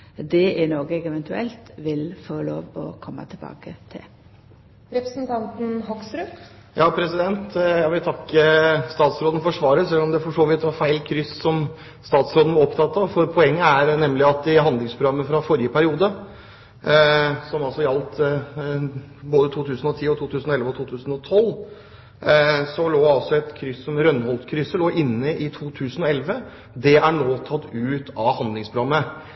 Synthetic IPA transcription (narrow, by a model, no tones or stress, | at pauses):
d̪ɛʔɛnoːɡəɛɡɛʋɛnt̪ʉɛlt̪ʋɪlfoːlo̰ːʋɔ̰kʰɔmːə̰t̪ʰɪbɑ̰ːkət̪ʰɪ̰l | ɾɛpɾsn̩t̪ʰɑnt̪n̩hɔksɾʉjɑːpʰɾɛsɪd̪ɛnt̪jæɡʋɪlt̪ʰɑkːəst̪ɑːt̪sɾoːd̪n̩fɔʂʋɑːɾəsɛlːɔmd̪ɛfɔʂoːʋɪt̪ʋɑɾfæɪlkʰɾʏssɔm | st̪ɑːt̪sɾoːd̪n̩ʋɑɔpt̪ʰɑt̪ːɑʋfɔɾpʰɔɛŋːəæɾnɛmːlɪɑt̪̚d̪ɪɦɑnd̪lɪŋspʰɾʊɡɑmːəfɾɑfɔɾjəpʰæɾɪuːd̪ə | sɔmɑlsɔjɑlt̪ | boːd̪ət̪ʰuːt̪ʰʉːsən̩ɔt̪ʰiːɔt̪ʰuːt̪ʰʉːsən̩ɔɛlʋəɔt̪ʰuːt̪ʰʉːsn̩ɔt̪ʰɔl | sɔloːɑlsɔɛt̪kʰɾʏsːɔmɾœnːhɔlt̪kʰɾʏsːəloːʔɪnːəʔɪt̪ʰuːt̪ʰʉːsənɔɛlʋə | d̪ɛæɳoːt̪ʰɑt̪ːʉːt̪ɑʋhɑnd̪lɪŋspɾʊɾɑmːə